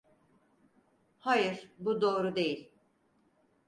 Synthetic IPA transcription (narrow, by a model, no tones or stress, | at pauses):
hajɯɾbud̪o̞ːɾud̪e̞jilʲ